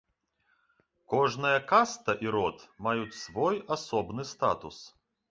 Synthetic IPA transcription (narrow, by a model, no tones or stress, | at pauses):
kɔʐnɐjɐkast̪ɐʔiɾɔt̪majut͡sʲsvɔjasɔbnɨst̪a̰t̪ṵs